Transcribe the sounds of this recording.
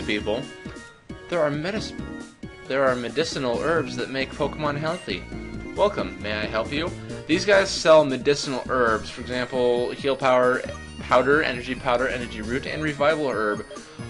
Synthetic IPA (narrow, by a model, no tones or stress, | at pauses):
pipl̩ˠ | ðə˞ːmɛɾɨs | ðə˞ːmɨdɪsənl̩ˠɜ˞bzðɨt̚meɪk̚pʰoʊkəmə̃nɦɛlˠθḭwɛlˠkə̃mːeɪaɪɦɛlˠpjʉðizɡaɪz̥sɛlˠmɨdɪsənl̩ˠɜ˞bz̥fə˞ɨɡzæ̃mpl̩ˠhilˠpʰaʊə˞ | pʰaʊɾə˞ʔɛ̰nə˞d͡ʒipʰaʊɾə˞ʔɛnə˞d͡ʒiɹʉɾɨ̰̃nɹɨvaɪvl̩ˠɜ˞b̥